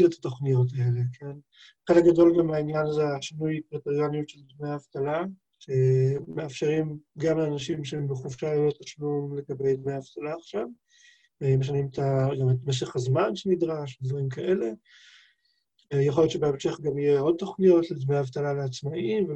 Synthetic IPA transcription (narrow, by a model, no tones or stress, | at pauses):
let̪ʰḁto̞χnijo̞t̪̬aele̞kʰen | χelek̚ɡado̞lɡamainjanazeaʃinujpʁat̪oʁjanijutʃeld̪mejaavt̪ala | ʃeːeafʃe̞ʁimɡamleanaʃimʃeembeχovʃaleot̪aʃlumleɡabejd̪mejaavt̪alaːχʃav | meʃ̬animet̪aɡametmeʃ̬eχhazmanʃenid̪ʁaʃed̪vaʁimkaʔe̞le̞ | jaχojott͡ʃebeamʃeχɡamijeo̞d̚t̪o̞χnijo̞t̪led̪mejaavt̪alaleat͡smaʔimve